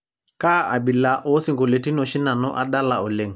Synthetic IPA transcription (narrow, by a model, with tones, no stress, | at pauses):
ka˦ʔa˨bi˨la˨ʔo˦si˦ŋɡo˨le˨ti˦no˨ʃi˦na˨nɔ̰˦ʔa˦ɗa˦la˨o˨le˨ŋ